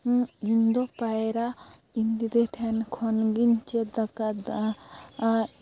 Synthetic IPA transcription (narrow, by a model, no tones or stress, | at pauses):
ind̪ɔpajɾa | ind̪id̪ɛʈʰɛnkʰɔnɡiɲt͡ʃɛd̪akad̪